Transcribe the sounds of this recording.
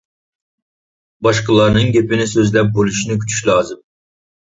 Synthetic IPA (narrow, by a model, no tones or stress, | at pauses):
bɑʃqəlˠɑɾnɨŋɡʲepɪnɪsøzlɛp̚bolˠuʃinɨkʲʰy̥t͡ʃʰy̥ʃlˠɑːzɨm